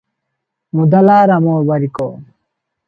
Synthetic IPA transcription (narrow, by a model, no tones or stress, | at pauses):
mud̪ɐlaːɾɐmoːbɐɾiko̰ː